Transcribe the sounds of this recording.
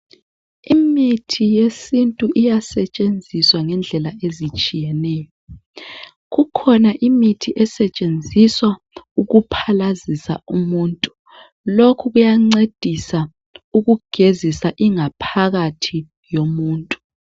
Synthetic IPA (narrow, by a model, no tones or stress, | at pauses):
imitʰijesintʼuʔijasɛt͡ʃʼend͡zʱiswaŋɛnd͡ɮʱɛlaezit͡ʃʼijɛnɛːjɔ | ɣukʰɔnaʔimitʰiʔɛsɛt͡ʃʼend͡zʱiswa | uɣupʰalazisa̰umuːntʼu | lokʰuɣujaŋ͡ǀed̥ʱisa | uɣuɡ̥ʱezisaʔiŋapʰaɣatʰi | jomuːntʼu̥